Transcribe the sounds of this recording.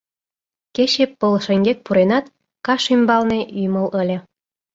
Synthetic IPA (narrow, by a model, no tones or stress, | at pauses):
keɕepːɤlɤʃeŋɡʲek̪̚puɾenɑt̪ | kɑʃymbɑlneʔyjmɤ̆ləlʲĕ